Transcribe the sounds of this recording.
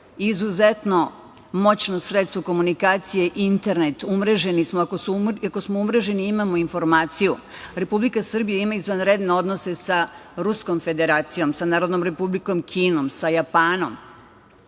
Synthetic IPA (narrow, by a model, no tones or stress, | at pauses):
izuzet̪no̞ | mo̞t͡ɕno̞sɾet̪st̪ʋoko̞munikaːt̪sijeʔint̪e̞ɾnet̪umɾeʒe̞nismoakosuako̞smo̞umɾe̞ʒe̞niimamo̞info̞ɾmaːt̪siju | ɾe̞publikasr̩bijaimaizʋanɾed̪ne̞o̞d̪no̞se̞saɾusko̞mfe̞d̪e̞ɾaːt̪sijo̞msanaːɾod̪no̞mɾe̞publiko̞mkʰiːno̞msajapaːno̞m